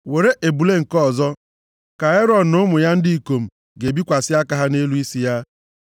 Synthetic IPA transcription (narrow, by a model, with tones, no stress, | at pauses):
we˨ɾe˦ʔe˨bu˨le˦ŋ̩˨kɔ˦˨zɔ˦ | ka˨e˦ɾɔ˨n̩˨nʊ˦mʊ˨ja˦n̩˦di˦i˨ko˨m̩˨ | ɡe˨bi˦kʷa˨sɪ˦a˦ka˦ɦa˦ne˦lu˦i˦si˦ja˦